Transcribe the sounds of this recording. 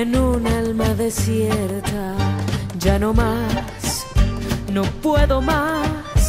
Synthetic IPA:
enunalmaðe̞sjeɾt̪a | d͡ʒano̞ma | s | no̞pwe̞ðo̞mas

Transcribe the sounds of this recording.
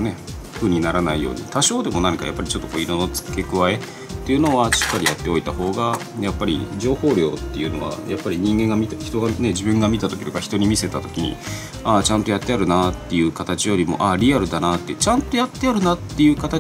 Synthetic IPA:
ne̞ | ɸɯ̟ɲ̟inaɾanaijo̰ːɲ̟ḭt̪aɕo̞ːd̪e̞mo̞nãɲŋika̰japːaɾit͡ɕo̞t̪ːo̞ko̞iɾo̞not͡sɨ̥ke̞kɯ̟βae̞ | t̪ːe̞jɯ̟no̞aɕi̥kːaɾʲijat̪ːe̞o̞it̪aho̞ːɡa | japːaɾʲḭd͡ʑo̞ːho̞ːɾʲo̞ːt̪ːe̞jɯ̟no̞̰βa̰japːaɾʲiɲ̟ĩŋɡẽ̞ŋɡamʲit̪açi̥t̪o̞ɡane̞d͡ʑibɯ̟̃ŋɡamʲit̪at̪o̞kʲid̪okaçi̥t̪o̞ɲ̟imʲise̞t̪at̪o̞̥kʲiɲ̟ḭ | at͡ɕãnt̪ojat̪ːe̞aɾɯ̟nat̪ːe̞jɯ̟kat̪at͡ɕijo̞ɾʲimo̞̰ʔaɾʲiaɾɯ̟d̪anat̪ːet͡ɕãnt̪o̞jat̪ːe̞aɾɯ̟nat̪ːe̞jɯ̟ːkat̪a

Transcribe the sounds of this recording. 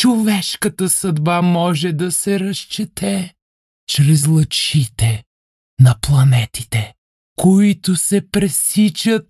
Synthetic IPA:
t͡ʃovɛʃkət̪əsɐd̪bamɔʒɛd̪ɐsɛɾɐʃt͡ʃɛt̪ʰɛ | t͡ʃɾɛzlˠɐt͡ʃit̪ɛ | nɐplˠɐnɛt̪i̥t̪ɛ | koit̪ʊsɛpɾɛsit͡ʃət̪̚

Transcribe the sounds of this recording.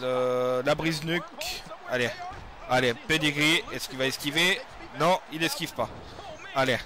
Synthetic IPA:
ləlabʁiznykale | aleped̪iʁiɛskilvaɛskʲive | nɔ̃ilɛskʲivpa | ale

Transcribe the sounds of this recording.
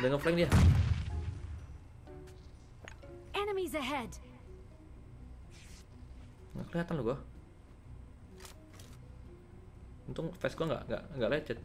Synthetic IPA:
dəŋənflaɪŋdia | ɛnəmizəɦɛd | ŋɡa̰ʔkəliɦat̪anluɡɔ | unt̪ʊŋfɛskuaŋɡa̰ʔŋɡa̰ʔŋɡaʔlat͡ʃət̪̚

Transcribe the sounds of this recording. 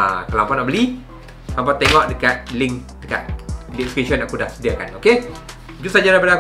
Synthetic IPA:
akəlampanɔʔbəli | lampat̪eŋɔʔdəkat̪̚liŋk̚ | dəkat̪̚lifkeʃɔnaʔkudahsədiakanoke | d͡ʒusad͡ʒaɾabəlak

